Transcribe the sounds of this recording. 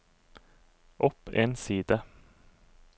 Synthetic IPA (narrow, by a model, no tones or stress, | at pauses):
ʔɔpeːnsiːd̪ə